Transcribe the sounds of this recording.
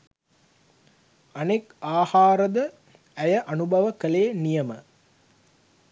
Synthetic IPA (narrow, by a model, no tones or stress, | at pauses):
ɐnekaːhaːɾɐd̪ə | æjɐʔɐnubɐʋəkɐleːnijɐmə